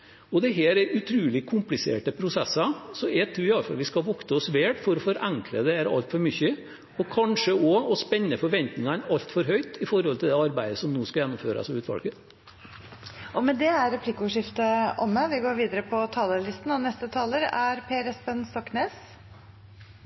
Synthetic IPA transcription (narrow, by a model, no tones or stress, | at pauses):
ɔd̪ɛɦeːɾɛɾʔʉt̪ʰɾʉːlɪkʰʊmplɪsḛːʈəpʰɾʊsɛsɑsɔɛt̪ʰɾʉːɪjɑfɑ̰lʋɪskɑʋɔkt̪əɔsʋeːʈfɔɾɔfɔɾʔæŋkʰləd̪ɛæɾɑ̰lt̪fɔɾmʏçːə | ɔkʰɑnʂəɔɔspɛnːəfɔɾʋɛnt̪nɪŋɑnɑlt̪fɔɾɦœʏt̪ɪfɔɾhɔlt̪ʰɪld̪ɛɑɾbæɪd̪əsɔmnoːskɑjɛnːʊmføːɾɑ̰sɔʋʉːt̪ʋɑ̰lkə | ʔɔmɛd̪ɛæɾɛpʰlɪkːəʊːʂɪft̪əʔɔmːəʋɪɡoːɾʋiːd̪əɾəpʰɔt̪ʰɑːləlɪst̪n̩ɑʋnɛst̪ət̪ʰɑːləɾæɾpʰeːɾəsbɛnst̪ɔkːneːs